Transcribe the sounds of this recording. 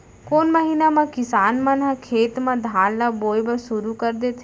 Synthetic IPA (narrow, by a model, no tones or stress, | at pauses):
koːnməɦiːnaːmãkɪsaːnmãnɦãkʰeːt̪mãːd̪ʱaːllaːboːjbəsʊɾuːkəɾd̪eːt̪ʰː